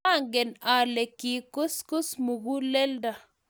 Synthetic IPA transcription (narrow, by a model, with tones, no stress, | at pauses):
a˦ŋɡɛ˨na˨le˨ki˨kʊ˦skʊ˦smu˨ɡu˦le˦lda˨